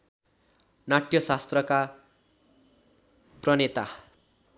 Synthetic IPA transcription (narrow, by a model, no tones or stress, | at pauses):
naʈjʌsast̪rʌka | prʌnet̪a